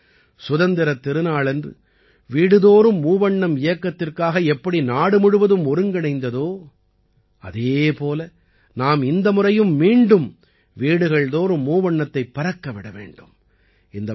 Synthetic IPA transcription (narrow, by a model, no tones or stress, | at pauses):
sʊðɐnd̪ɪɾɐt̪ːɪɾɯnaːɭɛndrɯ̰ | ʋiːɽɯðoːɾɯmːuːʋɐɳːɐmɪjɐkːɐt̪ːɪrkaːɣɐɛpːɐɽinaːɽɯmʊɽɯʋɐðɯmɔɾɯŋɡɐɳɐɪnd̪ɐðoː | ɐ̰ðeːpoːlɐ | naːmɪnd̪ɐmʊrɐjɯmːiːɳɖɯm | ʋiːɽɯɣɐɭðoːɾɯmːuːʋɐɳːɐt̪ːɐɪpːɐɾɐkːɐʋɪɽɐʋḛːɳɖɯm | ɪnd̪ɐ